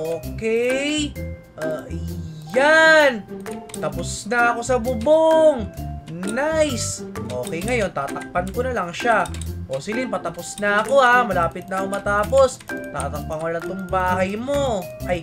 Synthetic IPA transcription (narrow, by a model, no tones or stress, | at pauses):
ʔoːkɛj | ʔaː | ant̪ɐpʊsnɐɐko̞sɐbʊboŋnajsʔo̞ːkɛjŋɐjo̞nt̪aːt̪ɐk̚pɐnkonɐlɐŋʃaʔo̞sɪlɪnpɐt̪ɐposnɐʔɐko̞hamɐlaːpɪt̪̚nɐʔɐkomɐt̪aːpo̞s | t̪aːt̪ɐk̚pɐŋwɐlat̪ʊŋbaːhɐjmo̞ʔɐj